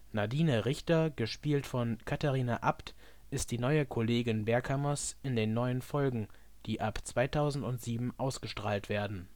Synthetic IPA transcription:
nadiːnəʁɪçtɐɡəʃpiːltfɔnkʰataʁiːnaʔapt | ʔɪst̚d̥iːnɔʏəkʰoleːɡɪnbɛɐkʰamɐsɪndeːnːɔʏənfɔlɡŋ̩ | d̥iːʔapt͡sv̥aɪtʰaʊzn̩tʊntz̥iːbm̩ʔaʊsɡ̥əʃtʁ̥aːltv̥eːɐdn̩

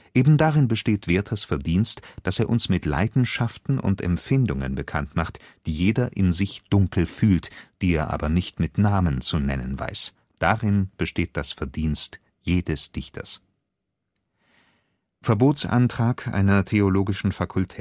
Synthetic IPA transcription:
ʔeːbm̩daʁɪnbəʃteːtv̥eːɐtʰɐsfɛɐdiːnstd̥aseːɐʔʊnsmɪtla̰ɪdn̩ʃaftn̩ʔʊ̰ntɛ̰mfɪndʊŋə̰nbəkʰa̰ntmaχtd̥iːjeːdɐʔɪnzɪçd̥ʊŋkl̩fyːltd̥iːeːɐʔa̰ːbɐnɪçtmɪtnaːmənt͡sunɛ̰nə̰nva̰ɪs | d̥aʁɪnb̥əʃteːt̚d̥asfɛɐdiːnst | jeːdɛsd̥ɪçtʰɐ̰s | fɛɐboːtsʔa̰ntʁ̥aːkʰʔa̰ɪnɐtʰeoloːɡɪʃn̩fakʰʊltʰɛː

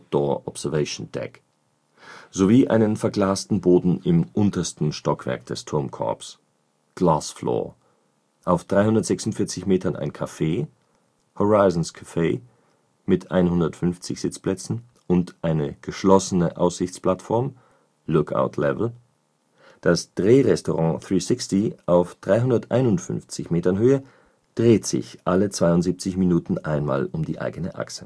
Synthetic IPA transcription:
d̥ɔɐʔɔpz̥ɛɐvɛɪʃond̥ɛ̰k | z̥oviːʔa̰ɪnənfɛɐɡlaːstn̩boːdn̩ɪmʔʊntɐstn̩ʃtɔkv̥ɛ̰ɐk̚d̥ɛstʰʊɐmkʰɔ̰ɐps | ɡ̥laːsflɔ̰ːɐ | ʔaʊfd̥ʁaɪhʊndɐtz̥ɛksʊntfɪɐt͡sɪçmeːtɐnʔa̰ɪnkʰafeː | hoʁaɪzn̩skʰḁfeː | mɪtʰʔa̰ɪnhʊndɐtfʏnft͡sɪçz̥ɪt͡splɛt͡sn̩ | ʔʊntʔaɪnəɡ̥əʃlɔsənəʔa̰ʊsz̥ɪçt͡spl̥atfɔɐm | lʊkʰa̰ʊtʰlɛ̰vl̩ | d̥asd̥ʁeːʁɛstɔʁɑ̃ːθʁiːsɪkstiʔaʊfd̥ʁaɪɦʊndɐtʔa̰ɪnʊntfʏ̰nft͡sɪçmeːtɐnɦøːə | d̥ʁeːtz̥ɪ̰çʔalət͡sv̥aɪʊntziːp̚t͡sɪçminuːtn̩ʔaɪnma̰ːlʊmdiːʔa̰ɪɡənəʔa̰ksə

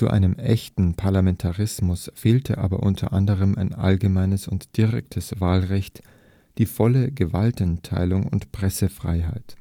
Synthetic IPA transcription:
t͡suʔa̰ɪnəmʔɛçtn̩pʰaɐlamɛntʰaʁɪsmʊsfeːltʰəʔa̰ːbɐ̰ʔʊntʰɐ̰ʔandəʁəmʔaɪnʔa̰lɡəmaɪnəsʊntd̥ɪʁɛ̰k̚tʰəsvaːlʁɛçt | d̥iːfɔləɡəvaltntʰa̰ɪlʊŋʊ̰ntpʁ̥ɛsəfʁ̥a̰ɪɦa̰ɪt

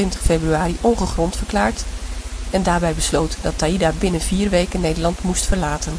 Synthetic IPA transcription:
ɪntəχfebryaːriʔɔŋχəχrɔntfəɹklaːɹt | ɛndaːɹbɛjbəslowtdɑtaːidabɪnənviːɹʋejkənːejdəlɑntmustfəɹlaːtən

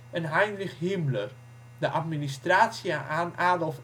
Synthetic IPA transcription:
ɛnɦajndrɪxhimlər | dəʔatministraːtsjaʔanaːdolˠf

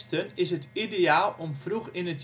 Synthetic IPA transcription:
stənɪsɦətideaːlˠʔɔmfruxɪnət

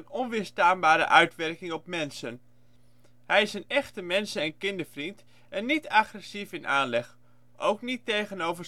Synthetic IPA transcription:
ənɔnʋɪɹstaːnbaːɾə̰ʔœɥtʋɛɹkɪŋɔpmɛnsən | ɦɛjɪsənɛχtəmɛnsəɛnkɪndəɹvrint | ɛnːitaχrɛsifɪnʔaːnlɛχ | ʔowknitejχənowvə

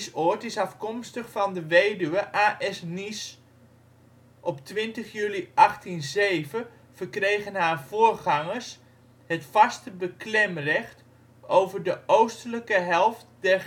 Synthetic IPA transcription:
sʊtɪsɑfkɔmstəχfɑndəʋejdyʋəʔaːʔɛsnis | ʔɔptʋɪntəχjyːliʔɑχtinzejvə | vəɹkrejχənɦaːɹv̥ʊːɹχɑŋəɹs | hətfɑstəbəklɛmrɛχt | owvəɹdəʔowstələkəɦɛlˠftdɛr

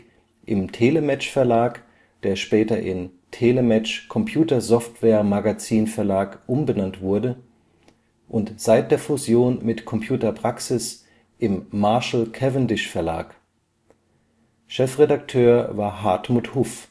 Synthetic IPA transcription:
ʔɪmtʰeːləmɛt͡ʃfɛɐlaːk | d̥eːɐʃpɛːtɐʔɪntʰeːləmɛt͡ʃkʰɔmpʰjuːtɐzɔftv̥ɛːɐmaɡat͡siːnfɛɐlaːkʔʊmbənantv̥ʊɐdə | ʔʊntz̥aɪt̚d̥eːɐfuzjoːnmɪtkʰɔmpʰjuːtɐpʁ̥aksɪs | ʔɪmːaɐʃl̩kʰɛvəndɪʃfɛɐla̰ːk | ʃɛfʁedak̚tʰøːɐvaːɐɦaɐtmuːthʊf

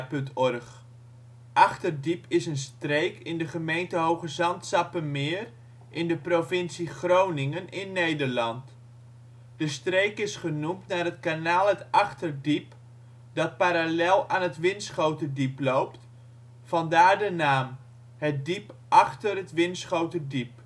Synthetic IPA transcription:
pɵntɔrχ | ʔɑχtərdipʰɪsənstrejkɪndəχəmejntəɦowχəzɑntsɑpənmɪːr | ʔɪndəprovɪnsiχrownɪŋənɪnːejdərlɑnt | d̥əstrejkɪsχənumtnaːrɦətkanaːlˠətɑχtərdip | dɑt̚paːɾalɛlˠaːnɦətʋɪnsχowtədiplowpt | fɑndaːɹdənaːm | hət̚dipʔɑχtərɦətʋɪnsχowtədip̚

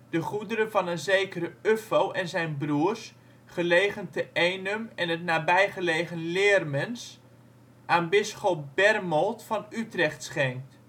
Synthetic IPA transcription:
d̥əχudəɾəvɑnənzejkəɾəøfowʔɛnzɛjnbruːərs | χəlejχəntəejnəmɛnətnaːbɛjχəlejχənlɪːrmɛns | ʔaːnbɪsχop̚b̥ɛrmɔlˠtfɑnytrɛχtsχɛŋkt

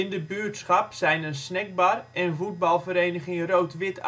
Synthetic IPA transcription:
ɪndəbyːtsχɑpsɛjnənsnɛɡ̚barɛnvud̚bɑlˠvəɾejnəɣɪŋrowtʋɪt

